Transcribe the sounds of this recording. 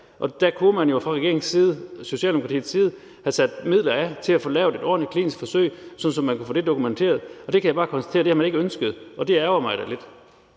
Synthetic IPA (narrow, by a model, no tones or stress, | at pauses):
ʔɒ̽d̥ækʰumænjo̝fʁɑ̈ʁɛɡe̝ɐeŋsiːð̞̩ˠso̝ɕiɛ̰ːld̥emokʰɑt͡sʰḭːð̩ˠsiːð̞ˠ | hæsæd̥mið̞̰ˠlɐæt͡sʰe̝læfoːlɛːʊd̥e̝d̥ɒ̰ːnəkʰlḭːnisɡ̥fɒ̽søɪsɒ̽n̥n̩sɒ̽mːænkʰu̥fo̰ːd̥e̝d̥okument͡sʰe̝̰ːɐð̞̩ˠɒ̽d̥e̝kʰæjɪbɑ̈ːkʰɒ̽nsd̥æ̥e̝ːɐd̥ehæmæne̝ɡəønsɡ̥əð̩ˠʔɒ̽d̥e̝æɐɐmɑ̈ɪd̥æle̝d̥